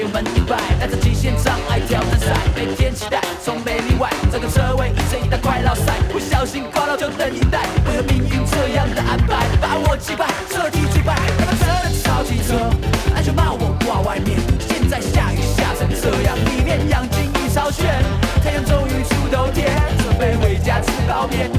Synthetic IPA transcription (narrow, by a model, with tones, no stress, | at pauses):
mə˧˥ni˧˩pa˥˩ɪt̪a˥˧nt͡s̩˥˧˩t͡ɕi˧˥˩ɕjɛ˥˧nʂɑ˥ŋa˥˩ɪt̪ʰjɑ˧˥ʊʈ͡ʂ̩˥˩sa˥˩ɪt̪e˥˧˩t̪ʰjɛ˥nt͡ɕʰi̥˧˥t̪a˥˩ɪt͡sʰʊ˧˥ŋme˨˩ɪli˥˧wa˥˩ɪt͡sɤ˧˩ɡə˧˩t͡sʰɤ˥˧we˥˩ɪʔi˧˥˩t͡ɕə˥˩ni˨˩t̪a˥˧ɪkʰwa˥˧ɪlɑ˥˧ʊsa˥˩ɪwe˥˩ɪɕjɑ˧˩ʊɕi˥nkʊlə˧t͡ɕjo˥˧˩t̪ə˧˩ni˧˩t̪a˥˩ɪwɔ˧˩˧mi˧˥ŋy˧nʈ͡ʂɤ˥˧jɑ˥˩ŋd̪ə˩ʔa˥npʰa˧˩ɪpa˨˥˦wɔ˨˩t͡ɕi˥˩pa˥˩ɪʂə˥˧t̪i˧˩t͡ɕʰy˥˩pa˥˩ɪ˥˩˧ə˧˥ə˨˧ʂɑ˧˥ʊt͡ɕi˧˩t͡sʰɤ˧˥a˥˧nɕo˥˧˩ma˥˩wɔ˨˩kwa˥˧wa˥˧ɪmjɛ˥˩nɕjɛ˥˧nt͡sa˥˧ɪɕja˥˧y˧ɕja˥˩ʂə˧˥ŋʂɤ˥˧˩jɑ̰˨˩ŋli˨˩mjɛ˥˧njɑ˨˩ŋt͡ɕi˥ŋy˥˧ʂɑ˥ʊɕɥɛ˥˩nk̪ʰa˧˥jo˧˩ŋʈ͡ʂʊ˥ŋy˧˥t͡ɕʰu˥t̪o˧˥ʊt̪ʰjɛ˥t͡sə˧˩pe˥˩ɪwe˧˥ɪt͡ɕja˥t͡s̩ʰ˧˥kɑ˧˥ʊmjɛ˥˩˦n